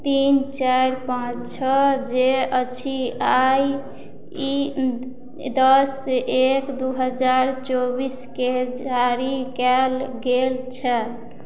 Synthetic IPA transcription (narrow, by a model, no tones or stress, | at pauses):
t̪int͡ʃaɾpãt͡ʃt͡ʃʰɔd͡ʒeət͡ʃʰiaj | d̪ɔsːeʔekd̪uɦəd͡ʒaɾt͡ʃobisked͡ʒaɾikɛlɡelt͡ʃʰɛ